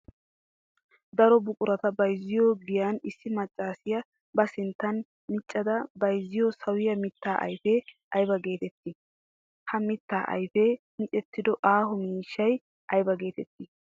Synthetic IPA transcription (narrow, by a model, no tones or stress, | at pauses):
d̪ɐɾɔbʊkʼʊɾɐt̪ɐbɐjzɪjoːɡɪjanɪsːɪmɐt͡ʃʼːaːsɪjɐ | bɐsɪnt̪ːɐn | mɪt͡ʃʼːɐd̪ɐbɐjzːɪjosɐwɪjɐmɪt̪ːaːʔɐ̰jfeʔɐjbɐɡe̞ːt̪ɛt̪ːɪ | hɐmɪt̪ːaːʔɐ̰jfe | mɪt͡ʃʼɛt̪ːɪd̪ɔʔaːhɔmiːʃːɐj | ʔɐjbɐɡe̞ːt̪ɛt̪ːɪ